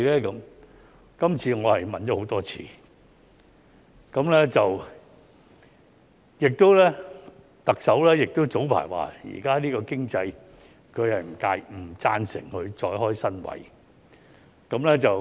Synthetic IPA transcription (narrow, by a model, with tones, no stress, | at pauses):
lɛː˥kɐ˨˥m | kɐ˥mt͡sʰiː˧ŋɔː˨˧hɐ˨jmɐ˨nt͡ɕɔ˨˦˥ho˨˥wt̪ɔː˥t͡sʰḭː˨˥ | kɐ˨˥mlɛː˥t͡sɐ˨w | jɪ˨k̚t̪o˥wlɛː˥ | t̪ɐ˨k̚sɐ˨˥wlɛː˥jɪ˨k̚t̪o˥wt͡so˨˥wpʰa̰ː˨˩jwa̰ː˨˩jḭː˨˩kaː˥liː˥kɔː˧kɪ˥ŋt͡sɐ˧j | kʰɵ˨˧ɥhɐ˨jm̩˨˩ka̰ː˧jm̩˨˩t͡saː˥nsɪ̰˨˩ŋhɵ˧ɥt͡ʃɔː˧jɦɔː˥jsɐ˥nwɐ̰˨˥j | kɐ˨˥mlɛː˥t͡sɐ˨w